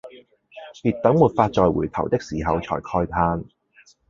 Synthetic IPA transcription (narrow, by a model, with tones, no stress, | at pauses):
piː˨˩t̚t̪ɐ˨˥ŋmuː˨˩t̚faː˧t̚t͡sɔː˨jwṵ˨˩jt̪ʰɐ˨˩wt̪ɪ˥k̚siː˨˩ɦɐ˨˧wt͡sʰɔ̰ː˨˩jkʰɔː˧jp̪ʰaː˧n